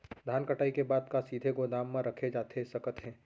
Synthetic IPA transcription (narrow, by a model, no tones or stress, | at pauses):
d̪ʱaːnkəʈaːikebaːd̪kasiːd̪ʱeɡod̪aːmːãɾɐkʰed͡ʒaːt̪ʰesɐkət̪ɦɛ̃ː